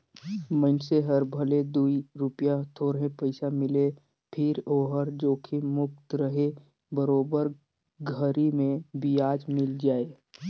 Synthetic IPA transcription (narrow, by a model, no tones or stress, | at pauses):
məɪnseɦəɾbʱəled̪uːiɾʊpjat̪ʰoːɾɦẽpəɪsamɪle | pʰɪɾoːɦəɾd͡ʒoːkʰimʊk̚t̪ɾəɦe | bəɾoːbəɾ | ɡʱəɾimẽbijaːd͡ʒmɪld͡ʒaːe